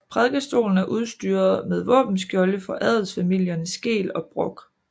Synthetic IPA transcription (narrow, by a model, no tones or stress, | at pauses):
pʰʁɛðˠɡ̥əsd̥o̝̰ːln̩æɐʔuð̞ˠsd̥yːɐðˠmeð̞ˠʋɔ̰̽ːb̥n̩sɡ̥jɒ̽ləfɒ̽ʔæðˠəl̩ˠsfæmil̰jɐnəsɡ̥e̝̰ːlɒ̽b̥ʁɔ̽ɡ̥